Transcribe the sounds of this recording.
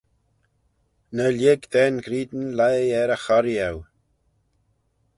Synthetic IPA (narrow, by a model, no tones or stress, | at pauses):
nəljeɡd̪ɛnɡɾiːd̪nlajɛɾəxɔɾiaw